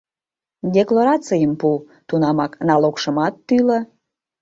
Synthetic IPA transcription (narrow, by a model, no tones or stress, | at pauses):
dʲeklˠoɾɑt͡sijəmpu | t̪unɑmɑknɑlokʃə̆mɑt̪ːylə